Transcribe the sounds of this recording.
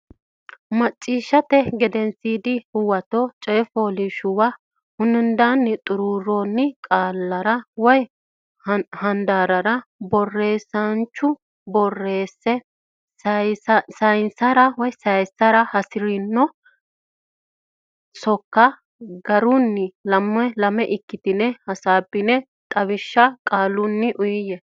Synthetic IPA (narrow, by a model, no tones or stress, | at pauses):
mɐt͡ʃʼːiːʃːɐt̪ɛɡɛd̪ɛnsiːd̪ɪhʊwɐt̪ɔt͡ʃʼɛːfoːlɪʃʊwa | hʊnːɪnd̪anːɪt̪ʼʊɾuːɾonːɪkʼaːlːɐɾɐwɔj | hɐnd̪aːɾɐɾɐbɔrːe̞ːsɐnt͡ʃːʊ | bɔrːe̞ːsːɛ | sɐsɐjnsɐɾɐwɔjsɐjsːɐɾɐhɐsɪɾɪnːɔ | sɔkːɐ | ɡɐɾʊnːɪlɐmːɛlɐmɛʔɪkːɪt̪ɪnɛhɐsaːbːɪnɛ | t̪ʼɐβɪʃːɐkʼaːlːʊnːɪʔʊjɪjɛ